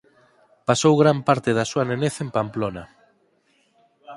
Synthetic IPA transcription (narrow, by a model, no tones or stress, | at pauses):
pasowɣɾampaɾt̪eðasuaneneθempamplona